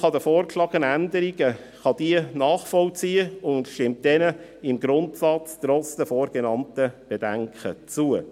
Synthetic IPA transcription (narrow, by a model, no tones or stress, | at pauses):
χɑdəfoːrkʃlɑːɡənændəɾiɡə | χɑd̥iənɑːχfɔlt͡siːəʊndʃtɪmt̚d̥ɛnəɪmɡɾʊntsɑt͡strɔt͡sd̥əfoːɾɡ̥ɛnɑntəb̥edæŋkʰət͡suə